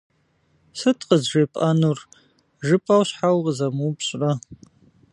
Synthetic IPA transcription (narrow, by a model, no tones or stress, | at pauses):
sɨtʰʼqəzʒepʼanur | ʒɨpʼawɕħawʁəzɐmuːpʰɕʼrɐ